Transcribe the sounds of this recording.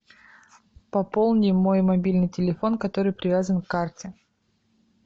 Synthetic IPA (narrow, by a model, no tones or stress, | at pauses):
pɐpolˠnʲɪjmo̞jmɐbʲilʲnɨjtʲɪlʲɪfo̞nkɐt̪o̞ɾɨjpɾʲɪvʲazənkːartʲɪ